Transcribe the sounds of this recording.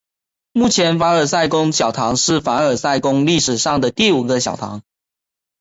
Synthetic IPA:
mu˥˩t͡ɕʰjɛ˨˧˦nfa˧˥ə˞˨˩sa˥˩ɪkʊ˥ŋɕjɑ˨˩ʊt̪ʰɑ˧˥ŋʂɻ̩˥˩fa˧˥ə˨˩sa˥˩ɪkʊ˥ŋli˥˩ʂɻ̩˨˩ʂɑ˥˩ŋd̪ə˩t̪i˥˩u˨˩ɡə˧˦ɕjɑ˨˩ʊt̪ʰɑ̰˧˦ŋ

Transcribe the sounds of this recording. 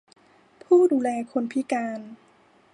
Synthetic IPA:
pʰuː˥˩duː˧lɛː˧kʰo˧npʰi˦˥kaː˧n

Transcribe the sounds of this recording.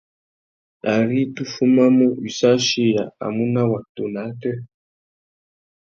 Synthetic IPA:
a˨ɾi˦tu˦fu˦ma˦mu˦i˨sa˦ʃi˦ja˨a̰˨mu˦na˦wa˨to˨na˨˦tɛ˦

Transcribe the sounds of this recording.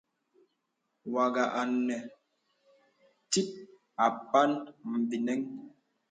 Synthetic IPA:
wa˨ɡa˨ʔa˨nːɛ˨ | ti˦t̚ | a˨pa˦nm̩˨bi˨nɛ˦ŋ

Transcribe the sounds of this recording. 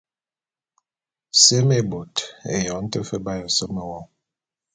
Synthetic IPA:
se˦me˦bo˨tḛ˨jɔ˨˦n̩˦tə˦fə˦ba˦jɔ˨sə˦me˨wɔ˦˨

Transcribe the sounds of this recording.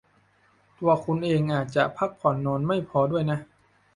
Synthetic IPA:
t̪u˧ɐkʰu˧nʔeː˧ŋʔaː˨˩t̪̚t͡ɕa˨˩ʔpʰa˦˥˩k̚pʰɔ˨˩˦nːɔː˧nma˥˩jpʰɔː˧du˥˩əjna˦˥ʔ

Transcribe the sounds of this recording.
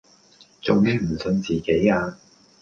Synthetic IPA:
t͡sʊ˨ŋni˨˧˥m̩˨˩sɵ˧nt͡siː˨ke˨˥jaː˧

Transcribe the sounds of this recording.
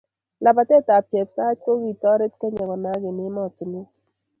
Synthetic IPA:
la˨pa˨tɛ˦˨ta˨pe˨psa˦t͡ʃko˦ɡi˨tɔ˦ɾe˦t̚ke˦ɲɔ˨kɔ˨na˨˦ɡɪ˨nɪ˦mɔ˦˨tɪ˨nu˦

